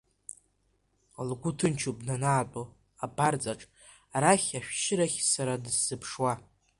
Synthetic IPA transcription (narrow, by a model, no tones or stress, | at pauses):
alɡʷʊtʰɨnt͡ʃʰubnanaːt͡pʼo | abard͡zaʈ͡ʂʼ | aɾaχʲaʃᶣʃɪɾaχʲsaɾadɨz̥ːɨpʰʂwa